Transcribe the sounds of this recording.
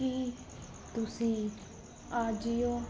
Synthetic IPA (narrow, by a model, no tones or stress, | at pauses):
i | t̪ʊsĩː | aːd͡ʒijoː